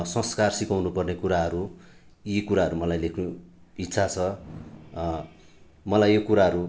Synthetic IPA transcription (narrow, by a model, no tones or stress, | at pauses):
sʌ̃skarsikawnupʌrnekuɾaɦʌɾu | jikuɾaɦʌɾumʌlajlekʰnuitːsʰat͡sʰʌ | mʌlajjokuɾaɦʌɾu